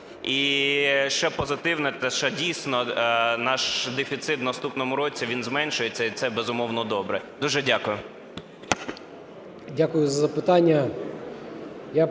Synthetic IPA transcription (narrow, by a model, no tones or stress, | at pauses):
iʃt͡ʃɛpɔzɪt̪ɪwnɛt̪ɛʃt͡ʃɛdʲijsʲnɔnɑʃd̪efʲit̪sɪt̪wnɐst̪upnɔmʊɾɔt͡sʲiʋʲinzmɛnʃʊjet͡sʲːɐit̪sɛbɛzʊmɔwnɔd̪ɔbɾɛd̪uʒɛdʲakʊjʊ | dʲakʊjʊzɐzɐpɪt̪anʲːɐ | ja